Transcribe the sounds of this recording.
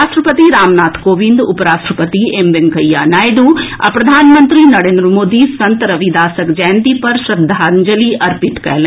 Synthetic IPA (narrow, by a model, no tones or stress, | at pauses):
aːsʈɾəpət̪iɾaːmnaːt̪ʰkoːʋĩnd̪ʊpɾaːsʈɾəpət̪iemʋenkʰɐjja̰ːnaːjd̪uːa̰pɾɐd̪ʱaːnmə̃nt̪ɾinɐɽẽːnd̪ɾəmoːd̪isɐnt̪ɾɐʋid̪aːsəkd͡ʒaːnd̪ipɐɾʃɾɐd̪ʱaːnd͡ʒəliʔɐɾpɪʈkɐ̰ɦl